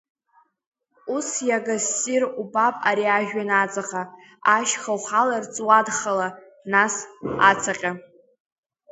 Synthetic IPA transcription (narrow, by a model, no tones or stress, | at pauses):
usjaɡasirubapʼaɾiaʒᶣanat͡sʼaqa | aʃχawχalart͡sʼwadχala | nasat͡sʰaqʲʼa